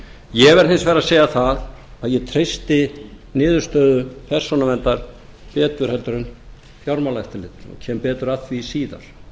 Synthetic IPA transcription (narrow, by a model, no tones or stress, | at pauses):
jɛvɛɾ̥θɪnsvɛːɾaseːjaθaðaðjɛt̪ʰɾejst̪ɪnɪːðʏɾst̪œːðʏpʰɛ̥sɔnamɛnt̪aɾ̥ | pɛːt̪ʏɾ̥hɛlt̪ʏɾʏn | fjawɾmawlajht̪ɪlɪt̪nɔ̰cʰɛmpɛːt̪ʏɾaθvisiːða̰ɾ̥